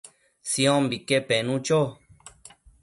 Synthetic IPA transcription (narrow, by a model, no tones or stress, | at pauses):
sĩõmbikepenũt͡ʃo